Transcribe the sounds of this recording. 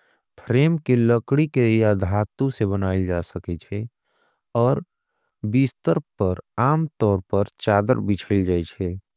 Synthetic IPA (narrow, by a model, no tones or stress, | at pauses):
pʰɾeːmkeləkɽikelijad̪ʱaːt̪ũsebənaːɪld͡ʒaːsəkɛt͡ʃʰɛ | ɔːɾ | bist̪əɾpəɾaːmt̪ɔːɾpəɾt͡ʃaːd̪ə̰ɾbɪt͡ʃʰəɪld͡ʒaːɛt͡ʃʰɛ